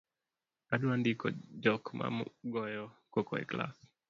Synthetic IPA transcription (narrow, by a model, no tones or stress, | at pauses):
aduandikɔ̰d͡ʒɔkma̰mɡɔjɔkokɔ̰ɛ̰kla̰s